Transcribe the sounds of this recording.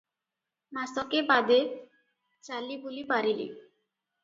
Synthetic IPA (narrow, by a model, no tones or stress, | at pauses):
mast̪ɔkebad̪e | t͡ɕalibulipaɾilḭ